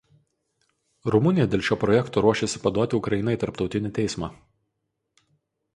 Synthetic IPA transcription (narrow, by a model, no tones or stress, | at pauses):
ɾʊmʊnʲɪjɛd̪ʲeːlʲˠʃʲoːpɾɔjɛkt̪oːɾuɔʃʲesʲɪpɐd̪uɔt̪ʲɪʊkɾɐjɪnɐɪt̪ɐɾpt̪ɒʊt̪ʲɪnʲɪt̪ʲɛɪsmɑː